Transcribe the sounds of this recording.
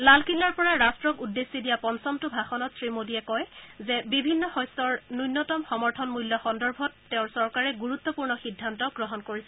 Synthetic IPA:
lalkʰilːaɹpɔɹaɹastɹɔkudːesːidijapɔnsɔmtʊbʱaxɔnɔtsɹimodiɛkɔjzɛbibʱinːɔxɔjstɔɹnujnːɔtɔmxɔmɔɹtʰɔnmuljɔxɔndɔɹbʱɔtːeʊ̃ɹsɔɹkaɹɛɡuɹut̪ːɔpuɹnɔxidʱːantɔɡɹɔɦɔnkoɹisɛ

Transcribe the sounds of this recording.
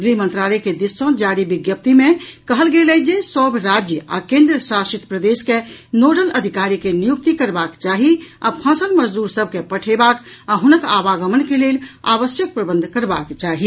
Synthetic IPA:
ɡɾimənt̪ɾalɛked̪isõd͡ʒaɾibiɡjəp̚t̪imekəɦəlɡelɛd͡ʒesɔbʱɾad͡ʒjəa̰kẽnd̪ɾəsasit̪pɾəd̪eskenoɖələd̪ʱikaɾikenijuk̚t̪ikəɾbakt͡ʃaɦia̰pʰãsəlməd͡ʒd̪uɾsəb̚ʱkepəʈʰebakaɦunəkabaɡəmənkelela̰βəsjək̚pɾəbənd̪ʱkəɾbakt͡ʃaɦi

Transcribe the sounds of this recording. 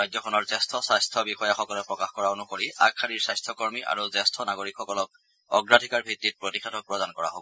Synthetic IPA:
ajdzɔkʰɔnɔɹzɛstʰɔsajstʰɔbixɔjaxɔkɔlɛpɹɔkaxkɔɹaonukoɹiakʰːaniɹsajstʰɔkɔɹmiʔa̰ɹuzɛstʰɔnaɡoɹikxɔkɔlɔk̚ | ɔɡɹadʱikaɹbʱitːit̚pɹotikʰatʰɔk̚pɹɔdankɔɹa̰ɦobɔ

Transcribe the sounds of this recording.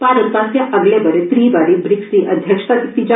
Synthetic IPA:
paɾəpãst̪jaʔəɡlebəɾet̪ɾiːbaɽiːbɾiksĩʔəd̪ʱjəkʂə̥t̪at̪it̪id͡ʑa

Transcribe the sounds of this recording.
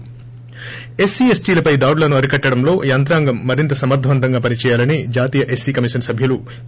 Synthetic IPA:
e̞siːesʈiːlɐpɐjd̪ɐːwɽlɐnuɐɾikɐʈːɐɽɐmlo̞ːjɐnt̪̬ɾaːŋɡɐmːɐɾint̪ɐsɐmɐɾd̪ʰʱɐʋɐnt̪ɐŋɡaːpɐnit͡ʃɛːjaːlɐnid͡ʒaːt̪iːjɐʔe̞siːkɐmiʂɐnsɐbʱjɐlu

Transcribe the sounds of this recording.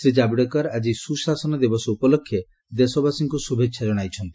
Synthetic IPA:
sɾid͡ʒabiɽɔkɔɾad͡ʒisusasɔnɔd̪ibɔsɔupɔlokʰːje | d̪esɔbasiŋkusubʱekːʃʰad͡ʒɔɽ̃ajt͡ʃʰɔnt̪i̥

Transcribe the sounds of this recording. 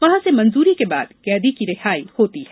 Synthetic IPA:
ʋɐɦãsemɐ̃nzuːɾikeba̰ːd̪kɛːd̪ikiɾɪɦaːihoːt̪iɦɛ

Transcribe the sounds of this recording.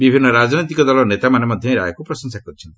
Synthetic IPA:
bibʱinːɔɾad͡ʒnɔjt̪ikɔd̪ɔlɔnet̪amanemɔd̪ʱjɔ̃ĩɾa̰jkupɾɔsɔŋsakɔɾit͡ʃʰɔnt̪i̥

